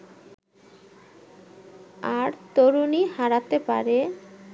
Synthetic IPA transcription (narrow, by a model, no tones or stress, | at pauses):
aɾt̪oɾunihaɾat̪epa̰ɾe